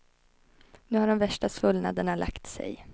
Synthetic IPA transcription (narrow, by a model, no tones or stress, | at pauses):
nʉ̟haɖɔmvæʂʈasvɵlna̰d̪əɳalʔa̰kt̪sɛ̰j